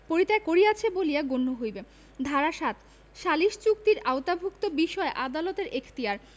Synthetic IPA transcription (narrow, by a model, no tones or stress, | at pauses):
poɾit̪aekoɾijat͡ɕʰebolijaɡonːoɦojbe | d̪ʱaɾaʃat̪̚ | ʃaliʃt͡ɕuk̚t̪iɾaot̪abʱukt̪obiʃɔeʔad̪alot̪eɾekʰt̪iaɾ